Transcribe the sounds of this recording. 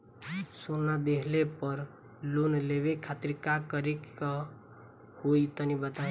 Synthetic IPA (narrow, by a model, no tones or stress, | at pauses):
sonad̪ekʰlepəɾ | lunleʋekʰat̪ɾkakəɾikːa | hoit̪ənibət̪a